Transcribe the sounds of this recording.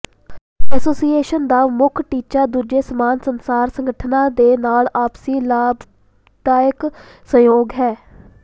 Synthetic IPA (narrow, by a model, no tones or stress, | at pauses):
ɛsoːsiːeːʃənd̪aːmʊkʰʈiːt͡ʃaːd̪uːd͡ʒeːsəmaːnsənsaːɾsəŋɡəʈʰnãːd̪eːnaːlaːpsiːlaːb | d̪aːək | sə̃joːɡɦɛː